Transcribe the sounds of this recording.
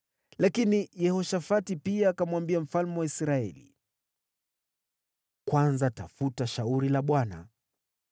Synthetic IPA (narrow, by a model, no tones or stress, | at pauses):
lakinijɛhɔʃafatipiaːkamwambiam̩falmɛwaisɾaɛ̰lḭ | kwanzatafutaʃauɾilaɓwana̰